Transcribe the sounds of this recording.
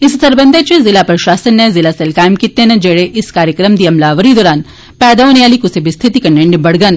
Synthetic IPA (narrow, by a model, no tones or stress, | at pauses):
ɪssɐɾbə̃nd̪ʱet͡ʃezɪlapɾɐʃaːsənːẽzɪlaselkaːjmkit̪ːẽnɐ̃d͡ʒeːɽeʔɪskaːɾjəkɾəmd̪iɐmlaːʋəɾid̪ɔːɾaːn | pɛːd̪aɦoːneaːlikʊsebist̪ʰɪt̪ikɐɳẽɳɖbɐɽɡən